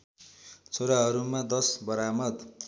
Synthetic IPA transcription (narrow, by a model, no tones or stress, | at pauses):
t͡sʰoɾaɦʌɾumad̪ʌsbʌɾamʌd̪